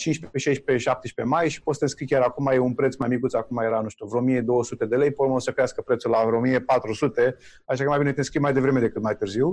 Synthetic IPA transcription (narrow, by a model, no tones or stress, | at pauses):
t͡ʃint͡ʃʲpeeʃejʃpe̞ʃap̚t̪eʃʲpe̞majʃi̥pot̪st̪enskɾikʲjaɾakumajeunpɾet̪smajmikut̪sakumaje̞ɾanuʃt̪uvɾomije̞d̪o̞wəsut̪e̞d̪e̞le̞jpomosəkɾeaskəpɾe̞t̪sulavɾomije̞pat̪ɾusut̪e̞ | aʃakəmajbinet̪enskɾimajd̪e̞vɾe̞me̞d̪e̞kɨt̪majt̪ɨrziw